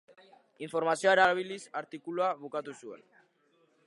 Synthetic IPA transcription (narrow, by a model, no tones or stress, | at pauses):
iɱfo̞ɾmasioeɾaβ̞ilisaɾt̪ikuluaβukat̪usue̞̰n